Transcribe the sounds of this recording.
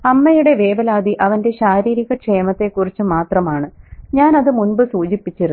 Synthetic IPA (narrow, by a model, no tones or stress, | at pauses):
ɐmːɐjuɽe̞ʋe̞ːʋɐlaːd̪iʔɐʋɐnde̞ɕaːɾiːɾiɣɐkʂejmɐt̪ːe̞kːurit͡ɕːɨmaːt̪rɐmaːɳɨɲaːnɐðɨmunbɨsuːd͡ʑipːit͡ɕːiɾu